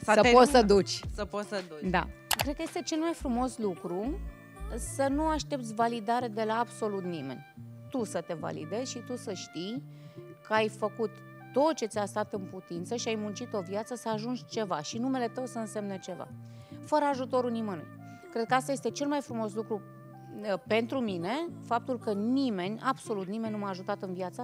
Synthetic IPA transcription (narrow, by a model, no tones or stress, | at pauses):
ssəposəd̪ut͡ʃʲsəposəd̪d̪a̰kɾed̪kəjst̪e̞t͡ʃe̞lmajfɾumo̞slukɾu | sənuaʃt̪e̞p̚t̪sʲvalid̪aɾed̪e̞laːbso̞lut̪nime̞̰nʲ | t̪usət̪e̞va̰lḭd̪e̞zʲʃit̪usəʃt̪ij | kʰəajfəkut̪ː | o̞t̪t͡ʃe̞t̪ʲast̪at̪ɨnput̪int̪səʃiajmunt͡ʃit̪o̞vjat̪səsəaʒund͡ʒʲt͡ʃe̞vaʃinume̞le̞t̪əwsəɨnse̞mnet͡ʃe̞va̰ | fəɾəaʒut̪o̞ɾunimɨnṵ | kɾe̞d̪̚kəast̪ajest̪e̞t͡ʃe̞lmajfɾumo̞slukɾu | pe̞nt̪ɾumine̞fap̚t̪ulkənime̞nʲabso̞lut̪nime̞nʲnumaaʒut̪at̪ɨnvjat̪sə